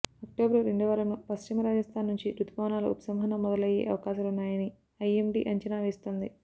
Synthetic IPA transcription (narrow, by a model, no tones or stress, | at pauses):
ɐk̚ʈoːbɾɐɾeɳɖuʋɐɾɐmopɐst͡ʃimɐɾaːd͡ʒɐst̪ʰaːnːuɲt͡ʃiɾut̪ubɐʋɐnaːlo̰upɐ̥sɐmɦɐnɐmːɔd̪ɐlɐjḛːʔɐ̰ʋɐkaːʃaːlunːaːjɐni | ɐjemɖḭːʔɐɲt͡ʃɐnaːʋeːst̪oːnd̪i